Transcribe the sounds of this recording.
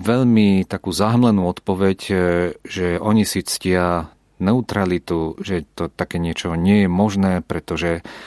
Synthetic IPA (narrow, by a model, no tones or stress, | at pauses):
ʋɛʎmit̪akuːzaɦmlɛnuːɔt̪pɔʋɛc | ʒɛʔɔɲisit͡scɪa | nɛut̪ɾalit̪uʒɛt̪ɔt̪akɛːɲɪɛt͡ʃɔɲɪɛjɛmɔʒnɛːpɾɛt̪ɔʒɛ